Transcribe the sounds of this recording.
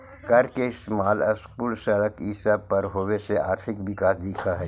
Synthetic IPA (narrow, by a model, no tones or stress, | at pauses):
kɐɾkeɪst̪maːləskuːlsɐɽəkɪsəb̚pɐɾɦoːwesea̰ːɾt̪ʰɪkʋɪkaːsd̪ɪkʰaɦɛ